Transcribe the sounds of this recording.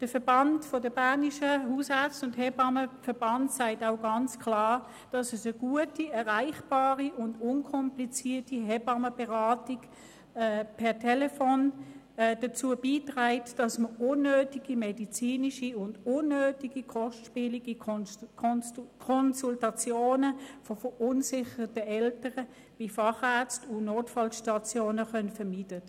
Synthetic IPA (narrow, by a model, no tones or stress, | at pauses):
d̥əfɛɐb̥ɑntfɔdəbaːniʃəhuːshɛt͡sʊnthɛbɑməfɛɐb̥ɑntsaɪtaʊɡɑnt͡skʰlaː | d̥ɑsɛsəɡ̥uətiɛʁaɪχb̥aːʁiʔʊndʊnkʰɔmplit͡siːɐtiɦɛbɑməbeʁaːtikː | pʰɛɐtʰɛlɛfoːn | d̥ɐt͡suːəbiːtʁaɪtd̥ɑsməʊnːøːtiɡ̥imedit͡siːniʃiʊndʊnːøːtiɡ̥ikʰɔʃtʃpiːliɡ̥i | kʰɔnsultɑt͡sjoːnəfɔfəʔʊnsɪχəʁtəʔɛltəʁə | b̥ifɑχɛɐt͡stʊnoːtfɑlʃtɑt͡sjoːnəχœnfɐmiːd̥ə